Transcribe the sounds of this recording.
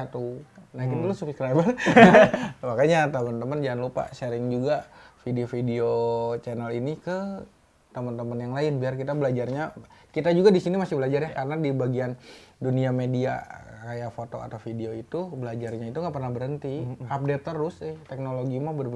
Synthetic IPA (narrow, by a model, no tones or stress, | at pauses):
at̪unainlosupskɾabəl | makaɲat̪əmənt̪əmənd͡ʒaanlupa̰ʃeɾɪŋd͡ʒuɡafideofidiot͡ʃɛnəlinikə | t̪əmənt̪əmənjaŋlaɪnbiarkit̪abəlad͡ʒarɲakit̪ad͡ʒuɡadisinimasɪhbəlad͡ʒarjakaɾənadibaɡianduniamedia̰kajafot̪o̰a̰t̪awfideoit̪ubəlad͡ʒarɲait̪uŋɡaʔpərnahbəɾənt̪iap̚dep̚t̪əɾʊsɪht̪ɛk̚noloɡimabər